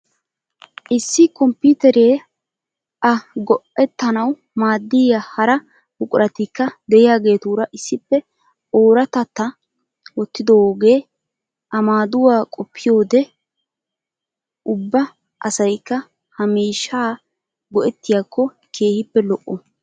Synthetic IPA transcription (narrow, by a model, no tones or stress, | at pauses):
ʔɪsːɪkɔmpʊːt̪ɛɾeː | ʔɐɡɔʔɛt̪ːɐnɐw | maːd̪ːɪjahɐɾɐ | bʊkʼʊɾʔɐt̪ɪkːɐd̪ɛjɪjaːɡe̞ːt̪uːɾɐʔɪsːɪpːɛ | oːɾɐt̪ɐt̪ːɐ | wɔt̪ːɪd̪ɔwoːɡe̞ː | ʔɐmaːd̪ʊwaːkʼɔpːɪjo̞ːd̪ɛ | ʔʊbːɐ | ʔɐsɐjkːɐ | hɐmiːʃːaː | ɡɔʔɛt̪ːɪjakʰːɔ | kʰe̞ːhɪpːɛlɔʔːɔ